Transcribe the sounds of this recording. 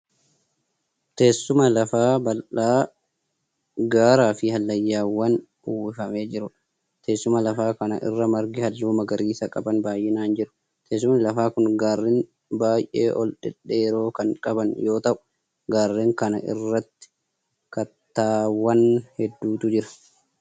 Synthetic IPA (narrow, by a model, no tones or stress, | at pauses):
t̪eːsːʊmɐlɐfaːbɐlaː | ɡaːɾaːfɪhɐlːɐjːaːwɐn | ʊwɪfɐme̞ːd͡ʒɪɾʊ | t̪eːsːʊmɐlɐfaːkɐnɐ̰ʔɪ̰rːɐmɐɾɡɪhɐlːuːmɐɡɐɾiːsɐkʼɐbɐnbaːjʔɪnaːnd͡ʒɪɾʊ̥ | t̪eːs̬ːʊmɐnlɐfaːkʊnɡaːrːen | baːjʔḛːʔɔ̰lᶑɛᶑːeːɾo̞ːkɐŋkʼɐbɐnjo̞ːt̪ɐʔʊ̥ | ɡaːrːeːŋkɐnɐ̰ʔɪ̰rːɐt̪ːɪ̥ | kɐt̪ːaːwɐnhɛd̪ːuːt̪ʊd͡ʒɪɾɐ̥